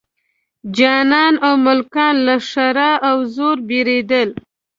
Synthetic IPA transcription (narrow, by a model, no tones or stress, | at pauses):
d͡ʒɑnɑnawmʊlkɑnlaʂaɾɑʔawzoɾbeɾed̪əl